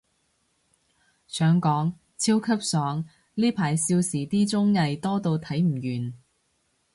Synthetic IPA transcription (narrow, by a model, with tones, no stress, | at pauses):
sœː˨˥ŋkɔː˨˥ŋ | t͡sʰiː˥wkʰɐ˥p̚sɔː˨˥ŋ | liː˥pʰaː˨˩jsiː˧wsiː˨˩t̪iː˥t͡sʊ˥ŋjɐ˨˧jt̪ɔː˥t̪o˧wt̪ʰɐ˨˥jm̩˨˩jyː˨˩n